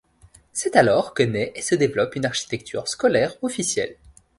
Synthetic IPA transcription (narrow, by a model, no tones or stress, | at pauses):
sɛt̪alɔʁkənɛʔesəd̪evlɔpynaʁʃi̥t̪ɛk̚t̪ʰy̰ʁskɔlɛʁɔfisjɛ̰l